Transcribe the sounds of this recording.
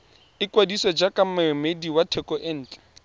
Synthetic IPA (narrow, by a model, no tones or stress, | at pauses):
ɪkwadisɔd͡ʒakʼamamediwatʰɛkʼɔʔɛn̩ːt͡ɬʼɛ̥